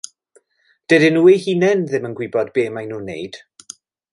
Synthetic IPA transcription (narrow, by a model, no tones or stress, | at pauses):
d̥ɛdɪnuːejhiːnɛnðɪmənɡwɪbɔdbeːmajnuːnḛjd̥